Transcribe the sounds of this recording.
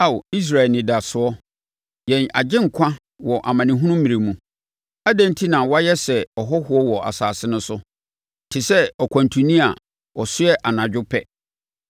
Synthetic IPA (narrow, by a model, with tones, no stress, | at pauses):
a˦˨wi˦s̬ɾa˨ɛ˨nɪ̃˨da˨sʊ˨˦ɔ˦ | jɛ̃˨na̰˨d͡ʑɪ̃˦ŋ̩˨kʷʰã˦ | wɔ˨ʔa˨mã˨nɪ̃˨ɦũ˦nũ˦mĩ˨ɾe˨mũ˦ | a˦dã˦n˦tʰi˦nã˨wɔ˦a˦jɛ˦sɛ˨ɔ˨ɦɔ˦hʊ˨ɔ˦wɔ˨ʔa̰˨saː˨sɪ˦nʊ̃˦sʊ˦ | tʰɪ˨sɛ˦ɔ˨kʰʷã˨ntʰũ˨nĩ˦a˨ | ɔ˨sʊ˦ɛ˦ʔa˨nã˨d͡ʑᶣʊ˦pʰɛ˦